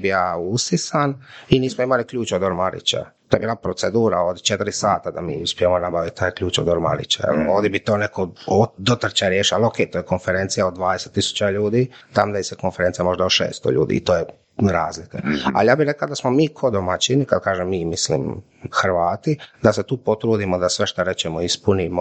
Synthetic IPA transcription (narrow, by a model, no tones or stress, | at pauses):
bijaːusisaniniːsmoimalikʎuːt͡ʃod̪oɾmaɾḭt͡ɕa̰t̪ojebilapɾot̪sed̪uːɾaod̪t͡ʃet̪ɾisaːt̪ad̪amḭːuspʲjemonabaʋit̪t̪aːjkʎʲuːt͡ʃod̪oɾma̰ɾḭt͡ɕa̰ḛloːd̪ibit̪o̞ːnekood̪ot̪r̩ɾt͡ɕaɾjeːʃialokeːjt̪ojekonfeɾent̪sijaod̪d̪ʋaːd̪eset̪ːisu̥t͡ɕaʎuːd̪it̪amd̪aiseko̞nfeɾent̪sijamo̞ʒd̪aoʃḛːst̪o̰ʎṵːd̪ḭːḭt̪oːje | ɾaːzlikea̰lijaːbiɾeklaod̪asmomiːkʰo̞d̪omat͡ɕinikad̪̚kaːʒemːiːmislḭm | xɾʋaːt̪id̪aset̪uːpo̞t̪ɾuːd̪imod̪asʋeʃt̪aɾet͡ɕemoispunimo